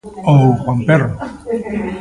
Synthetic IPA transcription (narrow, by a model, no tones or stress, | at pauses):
oxwampero